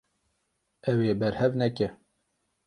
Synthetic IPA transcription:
ɛweːbɛɾhɛvnɛkɛ

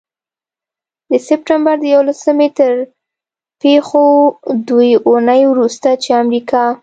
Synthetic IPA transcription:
d̪əsɪp̚ʈambaɾd̪əjawolasəmet̪əɾ | pexod̪ujʊnəjwɾust̪at͡ʃeamɾikɑ

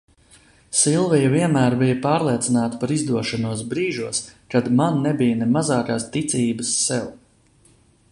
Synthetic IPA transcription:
silˠvijɐviɛnmæːɾbijɐpɑːɾlˠiɛt̪sinaːt̪ḁpaɾizd̪uɔʃanuɔs̬bɾiːʒuɔskad̪manːɛbijnɛmazaːkaːst̪it̪siːbəsːɛw

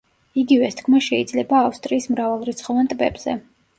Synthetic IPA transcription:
iɡivɛst̪ʰkʰmaʃɛid̪zlɛbaːfst̪ʼɾiːsmɾavalˠɾit̪sʰχɔvant̪ʼbɛ̰bz̥ɛ̰

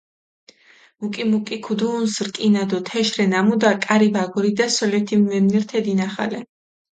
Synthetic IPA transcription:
mukʼimukʼikʰud̪uːnsɾkʼinad̪ɔt̪ʰɛʃɾɛnamud̪akʼaɾibaɡɔɾid̪asɔlɛt̪ʰimːɛmniɾt̪ʰɛd̪inaχa̰lɛ

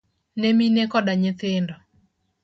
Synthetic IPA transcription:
neminekɔdaɲɪt̪ɪndɔ

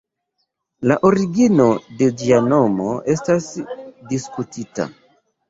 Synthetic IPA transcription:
laʔoɾiɡino̞ded͡ʒiano̞mo̞ʔe̞stasdiskutita̰

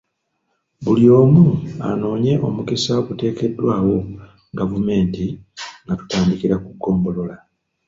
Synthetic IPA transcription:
βulio̞ːmua̰no̞ːɲe̞ʔo̞mukesaβute̞ːke̞dːwaːwo̞ | ɡavume̞ːntiŋɡatu̥taːndikiɾakuɡːo̞ːmbo̞lo̞la

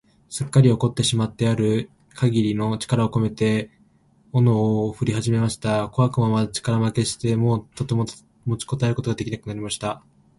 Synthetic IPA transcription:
sɨkːaɾʲio̞ko̞t̪ːe̞ɕimat̪ːe̞aɾɯ̟ | kʰaɡʲiɾʲino̞t͡ɕi̥kaɾao̞ko̞me̞t̪e̞ | o̞noɸɯ̟ɾʲiɦaʑime̞maɕi̥t̪ako̞βakɯ̟mamat͡ɕi̥kaɾamake̞ɕi̥t̪e̞mo̞ːt̪o̞t̪e̞mo̞ | mo̞t͡ɕi̥ko̞t̪aeɾɯ̟ko̞t̪o̞ɡad̪e̞kʲinakɯ̟naɾʲimaɕi̥t̪a

